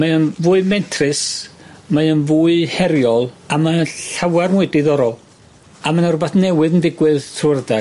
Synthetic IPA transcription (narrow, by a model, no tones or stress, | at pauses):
maənvuːɨmɛntʰrɨsmaənvuːɨhɛɾjɔlˠamaɬawarnwɪdɪðɔɾɔlˠ | amanarʊbaθnɛwɨðəndɪɡwɨðtʰrərda